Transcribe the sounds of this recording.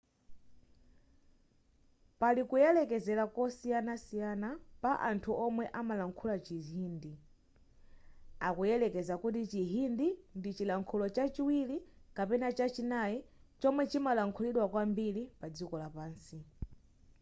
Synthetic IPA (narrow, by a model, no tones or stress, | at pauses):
palikujɛlɛkɛzɛlakɔsijanasijanapaʔa̰ntʰuʔɔmwɛʔamalaŋkʰulat͡ʃiɦiːndi | akujɛlɛkɛzakut̬it͡ʃiɦindindit͡ʃilaŋkʰulɔt͡ʃat͡ʃiwilikapɛnat͡ʃat͡ʃinajit͡ʃɔmwɛt͡ʃimalaŋkʰuliɗwakwambilipad͡zikɔlapaːnsi